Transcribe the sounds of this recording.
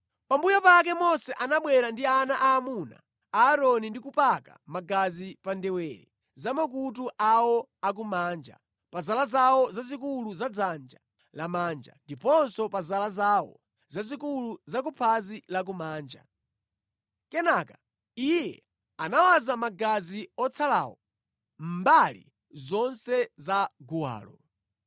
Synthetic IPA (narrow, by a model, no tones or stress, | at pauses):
pambujɔpak̬ɛmɔsɛʔanaɓwɛɾandianaʔaːmuna̰ː | ɾɔnindikupaka̰maɡazipandɛwɛːɾɛ̰ | zamak̬utuʔawɔ | ak̬umaːnd͡ʒa̰ | pazalazawɔzazikuluzad͡zand͡ʒa | lamaːnd͡ʒa̰ndipɔnsɔpazalazawɔ̰ | zazikuluzak̬upʰazilak̬umaːnd͡ʒa̰ | kɛnaka | ijɛ̰ | anawazamaɡaziɔt͡sʰala̰ːwɔ | m̩balḭ | zɔnsɛzaɡuwa̰ːlɔ